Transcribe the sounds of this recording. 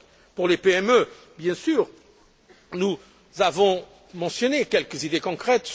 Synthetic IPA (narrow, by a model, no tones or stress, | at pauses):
puʁlepeɛmø | bjɛ̃syʁ | nu | zavɔ̃ | mɑ̃sjɔnekʲɛlkzid̪ekɔ̃kχɛt̪